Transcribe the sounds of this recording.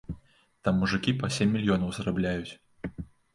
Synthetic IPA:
t̪amːuʐɨkʲipɐsʲemʲːilʲjɔnɐwzrablʲajut͡sʲ

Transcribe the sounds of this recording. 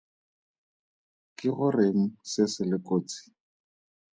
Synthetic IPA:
kɪɣʊreŋ̩sɪsɪlɪkʼoːt͡si̥

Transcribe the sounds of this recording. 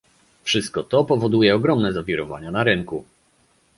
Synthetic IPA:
fʂɘst̪̚kɔt̪ɔpɔvɔd̪ujɛɔɡɾɔmnɛzavʲiɾɔva̰ɲanaɾɘŋku

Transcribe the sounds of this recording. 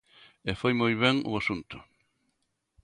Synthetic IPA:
efojmojβeŋʊ̰asunt̪ʊ̥

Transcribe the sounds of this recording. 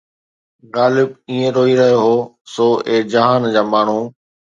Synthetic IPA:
ɣaːlɪbiːẽɾoːiɾɐɦjoɦoː | soːeːd͡ʑɐɦaːnd͡ʑaːmaːɳ̤uː

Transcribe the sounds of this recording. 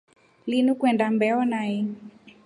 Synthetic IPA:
linukwɛndambɛɔnai

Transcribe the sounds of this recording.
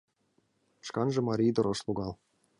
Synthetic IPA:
ʂkɑnʐɤ̆mɑɾʲijd̪ɤ̆ɾɤ̆ʂlˠuɡɑlˠ

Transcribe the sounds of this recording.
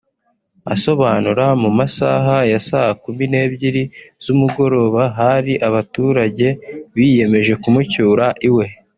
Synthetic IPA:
a̰so̞βaːnuɾamumasaɦajasahakumine̞ːbɟiɾizumuɡo̞ɾo̞ːβaɦaɾiʔaβatuːɾaɟe̞βije̞me̞ʒe̞kumucuːɾaʔiwe̞

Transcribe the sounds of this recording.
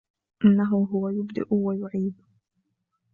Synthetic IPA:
ʔɪnːaɦʊɦʊwajʊbd̪ɪ̰ʔʊwajʊʕiːd̪

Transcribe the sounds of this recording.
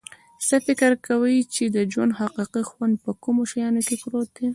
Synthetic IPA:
səfɪkɾkawəjt͡ʃed̪əd͡ʒwand̪haqiqixwand̪̚pəkumoʃajɑnokepɾot̪̚e

